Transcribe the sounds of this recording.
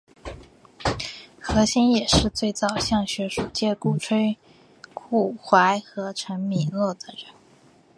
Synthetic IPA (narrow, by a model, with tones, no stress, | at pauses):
xɤ˧˥ɕi˥njɛ˨˩ʂɻ̩˥˧t͡swe˥˩ɪt͡sɑ˨˩ʊɕjɑ˥˩ŋɕɥɛ˧˥ʂu˨˩t͡ɕjɛ˥˧ku˥˩ʈ͡ʂʰwe˥ɪ | kʰu˥˩xwa˧˥ɪxɤ˧˥ʈ͡ʂʰə˧˥ŋmi˧˩nlwɔ˥˩d̪ə˩ɻə˧˥n